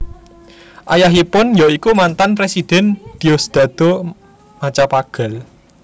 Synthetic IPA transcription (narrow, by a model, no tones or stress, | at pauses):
ʔajaɦipʊnjɔikumant̪anpɾesid̪̥ɛ̤nd̪̥iosd̪̥a̤d̪̥o̤ | mat͡ʃapaɡ̥ə̤l